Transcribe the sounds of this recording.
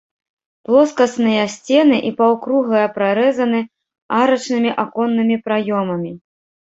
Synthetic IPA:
plˠɔskɐsnɨjɐsʲt͡sʲɛnɨʔipawkɾuɣlˠɐjɐpɾaɾɛzɐn̪ɨ | aɾɐt͡ʂnɨmʲiʔakɔnːɨmʲipɾajɔmɐmʲi

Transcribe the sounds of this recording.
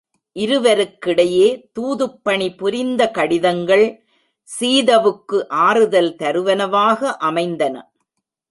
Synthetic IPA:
ʔɪɾɯʋɐɾɯkːɪɽɐjeːt̪uːðɯpːɐɳipʊɾɪnd̪ɐkɐɽɪðɐŋɡɐɭ | siːðɐʋɯkːɯʔaːɾɯðɐlt̪ɐɾɯʋɐnɐʋaːɣɐʔɐmɐɪnd̪ɐnɐ̰

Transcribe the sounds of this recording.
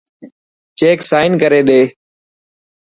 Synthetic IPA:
t͡ʃeːksaːɪnkəɾeːɗeː

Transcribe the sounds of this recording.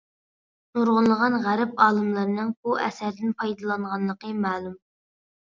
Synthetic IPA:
nuɾʁʊnlˠəʁɑnʁæɾɪpɑːlˠɨmlˠɨɾnɨŋbuʔɛ̰sæɾd̪ɪnpʰɑjd̪ɑlˠɑɴʁɑnlˠəqəmæːlˠum

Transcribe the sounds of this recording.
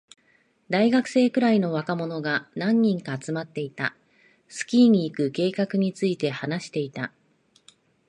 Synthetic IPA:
d̪aiɡakɯ̟̥se̞ːkɯ̟ɾaino̞βakamo̞no̞ɡanãɲ̟ːĩŋkaːt͡sɨmat̪ːe̞it̪a | sɨ̥kʲiːɲ̟iːkɯ̟ke̞ːkakɯ̟ɲ̟it͡sɨit̪e̞hanaɕi̥t̪e̞it̪a

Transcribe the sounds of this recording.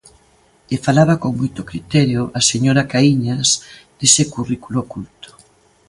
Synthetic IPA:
efalaβakoŋmojt̪okɾit̪ɛɾjoʔaseɲoɾakaiɲasd̪̥esekurikulokult̪o̥

